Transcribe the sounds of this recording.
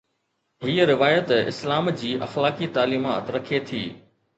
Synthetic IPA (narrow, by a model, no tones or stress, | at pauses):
ɦiːəɾɪʋaːjət̪ɪ̰slaːmd͡ʑiːʔɐ̰xlaːkit̪aːliːma̰ːt̪ɾɐkʰet̪ʰḭː